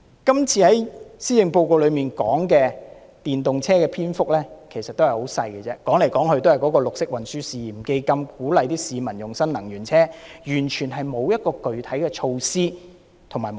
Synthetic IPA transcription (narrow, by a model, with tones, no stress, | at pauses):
kɐ˥mt͡sʰiː˧hɐ˨˦jsiː˥jɪ˨˧ŋpo˧wko˨˧wlɵ˨˧ɥmiː˨˩nkɔː˨˥ŋkɛː˧ | t̪iː˨nt̪ʊ˨ŋt͡sʰɛː˥kɛː˧pʰiː˥nfʊ˥k̚lɛː˥kʰe˨˩sɐ˨t̪ːwhɐ˨˩jho˨˥wsɐ˧jkɛ˧t͡sɛː˥kɔː˨˥ŋle˨˩jkɔː˨˥ŋhɵ˧ɥt̪o˥hɐ˨˩jkɔː˨˥kɔː˧lʊ˨k̚sɪ˥k̚wɐ˨nsyː˥siː˨˩m̩˨ke˧jkɐ˧mkuː˨˥lɐ˨˧jt̪iː˥siː˨˧mɐ˨˩njʊ˨˩ŋsɐ˥nlɐ˨˩ŋjyː˨˩nt͡sʰɛː˥jyː˨˩nt͡ʃʰyː˨˩nɦɐ˨jmo˨˧wjɐ˥t̚kɔː˧kɵ˨ɥt̪ʰɐ˨˥jkɛː˧t͡ʃʰo˧wsiː˥ | t̪ʰʊ˨˩ŋmaː˨˩jm